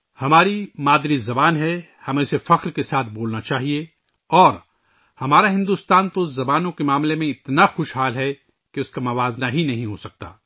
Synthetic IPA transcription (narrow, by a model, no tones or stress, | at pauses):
hɐmaːɾimaːd̪ɾizɐbaːnɦɛ | hɐmẽsefɐqɾkesaːt̪ʰboːlnat͡ʃaːɦie | ɔːɾ | hɐmaːɾaɦɪ̃nd̪uːst̪aːnt̪oʊs̬zɐbaːnõkemaːmlemẽɪt̪naxʊʃɦaːlɦɛ | keʊskamɐʋaːznaɦinɐɦĩɦosɐk̚t̪a̰ː